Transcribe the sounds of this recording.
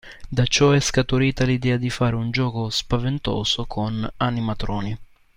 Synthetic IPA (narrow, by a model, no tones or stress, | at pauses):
d̪at͡ʃɔɛskat̪uɾiːt̪alid̪ɛːad̪ifaːɾeund͡ʒɔːkospavent̪ɔ̰ːsokʰonanːimat̪ɾɔːni